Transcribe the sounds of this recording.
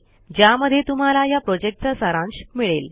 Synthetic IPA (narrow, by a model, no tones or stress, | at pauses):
d͡ʑjaməd̪ʱːjet̪um̤alajapɾɔd͡ʑek̚ʈ̚t͡sasaɾãnɕmiɭel